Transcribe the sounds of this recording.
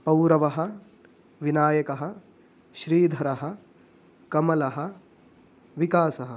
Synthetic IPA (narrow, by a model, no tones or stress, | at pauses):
pɐwɾɐʋɐɦɐ | ʋinaːjɐkɐɦɐ | ʃɾiːd̪ʱɐɾɐɦɐ̆ | kɐmɐlɐɦɐ | ʋikaːsɐɦɐ